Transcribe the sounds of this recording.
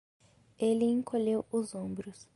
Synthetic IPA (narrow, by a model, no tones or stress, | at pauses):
eliŋkʰolewuzõmbɾus